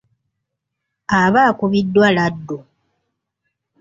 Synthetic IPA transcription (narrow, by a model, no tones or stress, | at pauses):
aβaːkuβidːwaladːo